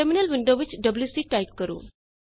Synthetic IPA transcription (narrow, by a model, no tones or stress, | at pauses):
eminəlʋiɳɖoʋit͡ɕɖəbljusiːʈajpkəɾṵː